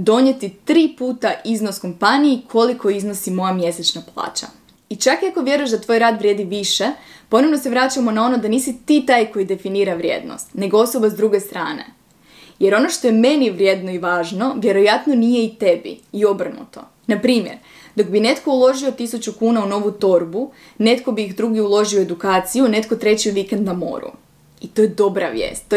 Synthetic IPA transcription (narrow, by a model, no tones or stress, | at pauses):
d̪o̞ɲe̞t̪it̪ɾiːpuːt̪aʔizno̞sko̞mpanijikʰo̞likʰo̞izno̞simo̞jamje̞set͡ɕnaplˠa̰ːt͡ɕa̰ | it͡ʃakiako̞ʋje̞ɾuje̞ʃd̪at̪ʋoːjɾaːd̪ʋɾʲjeːd̪iʋiʃe̞po̞no̞ʋnose̞ʋɾat͡ɕamo̞nao̞no̞d̪aniːsit̪iːt̪aːjko̞jid̪e̞finiːɾaʋɾjḛːd̪no̰st̪ne̞ɡoo̞so̞bazd̪ɾuɡe̞st̪ɾaːne̞̰ | je̞ɾo̞no̞ʃt̪o̞jeme̞niʋɾʲjeːd̪noiʋaːʒno̞ʋje̞ɾo̞jat̪no̞nije̞it̪e̞bḭio̞br̩nṵt̪o̞̰ | napɾiːmjeɾ | d̪o̞kbine̞t̪ko̞ulˠo̞ʒio̞t̪isut͡ɕukuːnauno̞ʋut̪o̞ɾbu | ne̞t̪ko̞biːxd̪ɾuɡiulˠo̞ʒioe̞d̪ukaːt̪sijune̞t̪̚ko̞t̪ɾe̞t͡ɕiʋikend̪amo̞̰ɾṵ | it̪o̞jed̪o̞bɾaʋjḛːst̪ː